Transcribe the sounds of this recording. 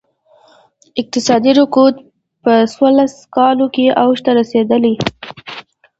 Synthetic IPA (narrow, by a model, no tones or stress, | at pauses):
ɪq̚t̪ɪsɑd̪iɾʊkut̪̚ | pəswəlaskɑlokeʔawʃt̪aɾased̪əli